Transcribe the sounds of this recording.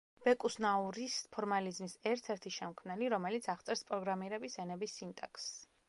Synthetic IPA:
b̥ɛkʼusnauɾispʰɔɾmalizmisɛɾt̪ʰɛɾt̪ʰiʃɛmkʰmnɛliɾɔmɛlit̪sʰaʁt̪sʼɛɾspʼɾɔɡɾamiɾɛbisɛnɛbisːint̪ʼɛ̰ks

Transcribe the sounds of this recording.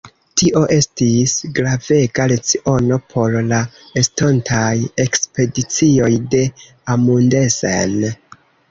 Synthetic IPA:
tiʔo̞ʔe̞stisɡɾave̞ɡalet͡siʔo̞no̞pʰo̞ɾla | estontʰaje̞kspe̞dit͡sio̞jde̞ | amunde̞sḛn

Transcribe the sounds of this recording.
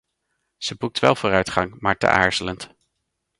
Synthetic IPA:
z̥əbuk̚tʋɛ̰lˠvʊːrœɥtχɑŋmaːɹtə̰ʔa̰ːɹz̥ələnt

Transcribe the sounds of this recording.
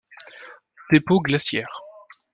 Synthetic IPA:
t̪epoɡlasjɛːʁ

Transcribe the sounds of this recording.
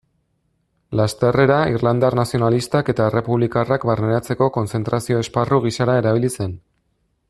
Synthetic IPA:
last̪ere̞ɾairland̪arnasio̞nalist̪ake̞t̪aere̞puβlikarakbaɾne̞ɾat͡se̞ko̞ko̞nt͡se̞nt̪ɾasio̞esparuɣ̞isaɾae̞ɾaβ̞ilise̞n

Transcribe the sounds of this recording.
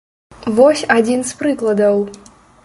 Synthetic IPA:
vɔsʲad͡zʲinspɾɨklˠɐd̪ɐw

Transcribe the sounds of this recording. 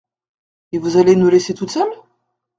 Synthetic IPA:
evuzalenuleset̪ut͡san

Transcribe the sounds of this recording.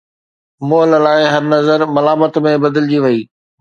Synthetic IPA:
moːllaːɪɦɐɾnɐzəɾmɐlaːmət̪mẽbɐd̪ɪld͡ʑiʋɐiː

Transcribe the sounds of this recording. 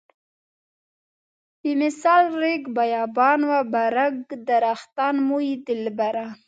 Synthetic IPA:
bimɪsɑlɾeɡbajɑbɑnwabaɾaɡd̪aɾaxt̪ɑnmuid̪ɪlbaɾa

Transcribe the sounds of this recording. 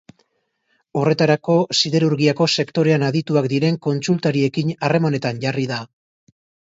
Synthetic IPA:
o̞re̞t̪aɾako̞siðe̞ɾuɾɣiako̞se̞kt̪o̞ɾe̞anaðit̪uakd̪iɾe̞ŋko̞nt͡sult̪aɾie̞kiɲare̞mane̞t̪anʝariða

